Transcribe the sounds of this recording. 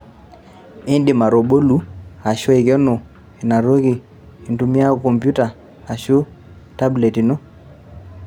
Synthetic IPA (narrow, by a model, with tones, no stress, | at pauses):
i˦ndi˨ma˨ɾo˨ɓo˦lu˦a˨ʃo˦e˨ɡe˦nɔ˨ | i˨na˨ɾo˦ɡi˨ | i˨ntu˦mi˦a˦˨ko˨mpju˦ta˨ | a˨ʃu˦ | ta˦ble˨ti˨no˦